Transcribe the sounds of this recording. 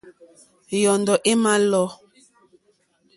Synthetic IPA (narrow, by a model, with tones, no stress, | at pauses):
jɔ˨ndɔ˨ʔe˦ma˦lɔ˦